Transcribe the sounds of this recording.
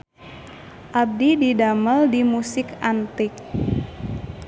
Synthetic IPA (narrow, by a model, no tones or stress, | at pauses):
ʔab̚dididaməldimusɪkant̪ɪk̚